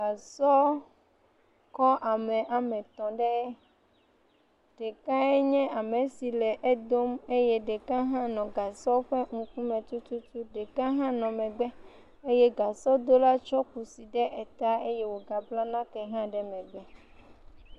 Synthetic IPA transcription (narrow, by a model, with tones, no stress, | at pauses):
ɡa˨sɔ˦ | kɔ˦ʔa˨mɛ̃˨ʔa˨mɛ̃˨t̪ɔ̃˨ɖɛ˦ | ɖ̥ɛ˨kã˦ɛ˦ɲɛ̃˦ʔa˨me˨si˨lɛ˨ʔe˦d̪o˦me˦je˦ɖɛ˨kã˦ɦã˦nɔ̃˨ɡa˨sɔ˦ɸɛ˦ŋũ˨ku˦mɛ̃˨t͡ʃu˦tu˦t͡ʃu˦ɖɛ˨kã˦ɦã˦nɔ̃˨mɛ̃˨ɡ͡bɛ˦ | e˦jɛ˦ɡa˨sɔ˦d̪o˦la˦t͡ʃɔ˦ku˨si˨ɖɛ˦ʔɛ˨t̪a˦e˦je˦wo˨ɡa˨bla˦nã˦kɛ˨ɦã˦ɖɛ˨mɛ̃˨ɡ͡bɛ˦